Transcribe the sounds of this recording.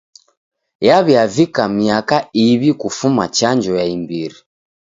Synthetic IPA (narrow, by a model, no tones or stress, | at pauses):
jaβjavikamiakaiβikufumat͡ʃaɲd͡ʒɔjaimbiɾi